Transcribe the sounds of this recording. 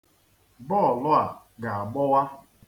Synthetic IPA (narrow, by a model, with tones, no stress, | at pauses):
bɔ˦˨lʊ˦a˨ | ɡa˨a˨ɡ͡bɔ˦wa˦